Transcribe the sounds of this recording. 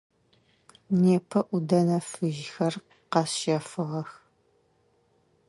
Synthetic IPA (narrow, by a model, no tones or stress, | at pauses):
neːpʰɐʔʷʊdɐnɐfɨʒxɐr | qɑsʃɐfɨʁɐx